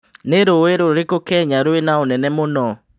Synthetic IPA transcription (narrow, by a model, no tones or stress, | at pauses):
neɾoeɾoɾekokɛɲaɾoenaonɛnɛmonɔ